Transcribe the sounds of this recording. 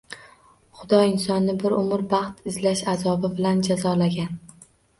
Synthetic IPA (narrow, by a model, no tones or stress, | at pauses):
χʊd̪ɒɪnsɒnːɪbɪɾʊmʊɾbɑχt̪ʰɪzlaʃazɒbɪbɪland͡ʒazɒlaɡʲan